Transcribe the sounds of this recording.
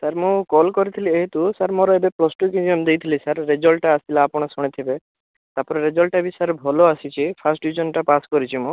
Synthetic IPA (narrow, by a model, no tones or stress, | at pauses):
saɾmũkɔlkɔɾit̪ʰilieɦit̪usaɾmɔɾɔebeplɔsʈukid͡ʒiɔmd̪ejt̪ʰilisaɾːed͡ʒɔlʈaːst̪ʰilaːpɔɽ̃ɔsuɽ̃it̪ʰibe | t̪apɔɾeɾed͡ʒɔlʈabisaɾbʱɔloasit͡ʃʰipʰasʈd̪ud͡ʒɔnʈapaskɔɾit͡ʃʰimũ